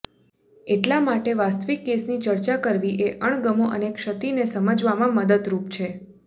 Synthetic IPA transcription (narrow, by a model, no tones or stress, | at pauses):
eʈlamaʈeʋast̪ʋikːesnit͡ʃəɾt͡ʃakəɾʋiʔeʔəɳɡəmoʔənekʃət̪inesəməd͡ʒʋamãməd̪əd̪ɾupt͡ʃʰe